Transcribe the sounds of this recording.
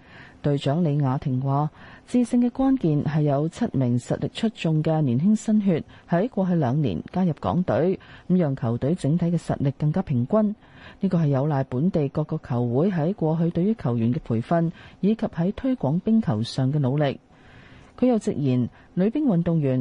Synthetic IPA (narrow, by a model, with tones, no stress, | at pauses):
t̪ɵ˧ɥt͡ʃœː˨˥ŋle˨˧jŋaː˨˧t̪ʰɪ˨˩ŋwaː˨˧t͡siː˧sɪ˧ŋkɛː˧kwaː˥nkiː˨nɦɐ˨jːɐ˨˧wt͡sʰɐ˥t̚mɪ˨˩ŋsɐ̰˨t̚lɪ˨k̚t͡ʃʰɵ˥t̚t͡ʃʊ˨ŋkɛ˧nyː˨˩nɦɪ˥ŋsɐ˥nɦyː˧t̚hɐ˨˥jkʷɔː˧ɦɵ˧ɥlœː˨˧ŋnḭː˨˩nkaː˥jɐ˨p̚kɔ̰ː˨˥ŋt̪ɵ˨˥ɥm̩˨˥jœː˨˩ŋkʰɐ˨˩wt̪ɵ˨˥ɥt͡sɪ˨˥ŋt̪ʰɐ˨˥jkɛː˧sɐ̰˨t̚lɪ˨kːɐ˧ŋkaː˥pʰɪ˨˩ŋkʷɐ˥n | niː˥kɔː˧ɦɐ˨jːɐ˨˧wlaː˨jpuː˨˥nt̪e˨jkɔː˧kːɔː˧kʰːɐ˨˩wwuː˨˥jɦɐ˨˥jkʷɔː˧ɦɵ˧ɥt̪ɵ˧ɥːyː˥kʰɐ˨˩wjyː˨˩nkɛː˧pʰuː˨˩jfɐ˧njiː˨˧kʰɐ˨p̚hɐ˨˥jt̪ʰɵ˥ɥkʷɔː˨˥ŋpɪ˥ŋkʰɐ˨˩wsœː˨ŋkɛː˧lo˨˧wlɪ˨k̚ | kʰɵ˨˧ɥjɐ˨˧wt͡sɪ̰˨k̚jiː˨˩n | lɵ˨˧ɥpiː˥nwɐ˨nt̪ʊ˨ŋjyː˨˩n